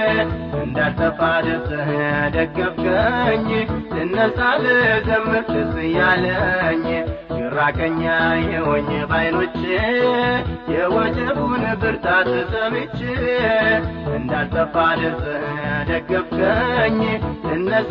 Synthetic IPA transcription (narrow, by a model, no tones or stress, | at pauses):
ɨnd̪alt̪ʼəbad̪ɨɾsʼɨhɨad̪əɡːəbkʰʼəɲːtɨnːəsʼalɨd̪əmmɨt̪ɨsɨjaləɲː | jɨɾakʼəɲːajɛwɔɲːɨbajno̞t͡ʃːɪ | jɛwɔd͡ʒɛbunbɨɾt̪ʰat̪ɨsʼəmit͡ʃːɪ | ɨnd̪alt̪ʼəbad̪ɨɾsʼɨhɨad̪əɡːəbkʰʼəɲːɨnːəs